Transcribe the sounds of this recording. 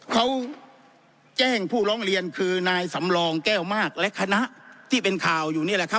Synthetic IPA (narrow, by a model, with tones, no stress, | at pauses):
kʰa˦˥w | t͡ɕɛː˥˩ŋpʰuː˥˩ɾɔː˦˥ŋɾi˧ənkʰɯː˧naː˧jsa˩˦mlɔː˧ŋkɛː˥˩wmaː˥˩k̚lɛ˦˥ʔkʰa˧na˦˥ʔt̪ʰiː˥˩pe˧nkʰaː˨˩wjuː˨˩ni˥˩lɛ˨˩kʰp̚